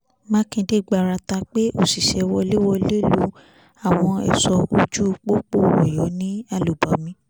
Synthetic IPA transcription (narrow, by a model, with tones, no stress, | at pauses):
mãː˦kĩ˧de˦ɡ͡ba˨ɾa˧ta˧k͡pe˦o˦˨si˨ʃɛ˧wɔ˧le˦wɔ˧le˦lu˧˦ | a˦˨w̃ɔ̃˧ɛ̰˨sɔ˧o˧d͡ʒu˦˧k͡po˦k͡po˦˨wɔ˨jɔ˨˦nĩ˦a˧lu˨bɔ˨˦mĩ˧˦